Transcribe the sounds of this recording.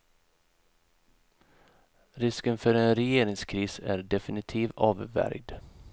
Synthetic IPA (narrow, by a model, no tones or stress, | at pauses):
ɾɪskənfœɾɛnɾɛjeːɾɪŋskʰɾiːsæ̰ɖɛfɪnɪt̪ʰiːvɑːvvæ̰ɾɡd̪